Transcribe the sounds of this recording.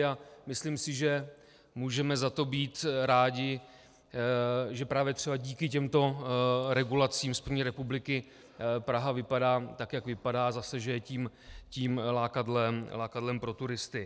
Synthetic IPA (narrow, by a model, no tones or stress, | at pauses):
amɪslimsɪʒɛ | muːʒɛmɛzat̪o̞biːt̪ɾaːɟɪ | ʒɛpɾaːvjɛt̪r̥ɛbaɟiːkɪcɛmt̪o̞ɾɛɡulat͡siːmspɾr̩vɲiːɾɛpublɪkɪ | pɾaɦavɪpadaːt̪akjakvɪpadaːzasɛʒɛjɛciːmciːmlaːkadlɛmlaːkadlɛmpɾo̞t̪uɾɪst̪ɪ